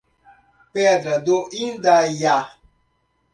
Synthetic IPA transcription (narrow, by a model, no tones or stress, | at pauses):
pɛdɾadoʔindaja